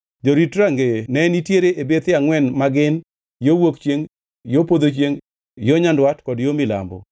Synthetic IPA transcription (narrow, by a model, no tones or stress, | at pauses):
d͡ʒoɾitɾaŋɡenɛnitjeɾeʔebet̪ɪaŋwɛnmaɡɪn | jowokt͡ʃjeŋ | jopod̪ot͡ʃjeŋ | joɲandwatkɔdjomɪla̰mbɔ̰